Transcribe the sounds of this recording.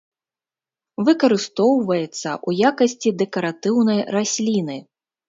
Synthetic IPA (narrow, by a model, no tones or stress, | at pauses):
vɨkɐɾɨst̪ɔwvɐjɛt̪sːɐ̰ʔujakɐsʲt͡sʲid̪ɛkɐɾat̪ɨwnɐjrasʲlʲinɨ